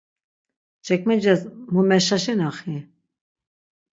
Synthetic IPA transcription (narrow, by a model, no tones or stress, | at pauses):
t͡ʃɛk̚mɛd͡ʒɛzmumɛʃaʃɛnaχi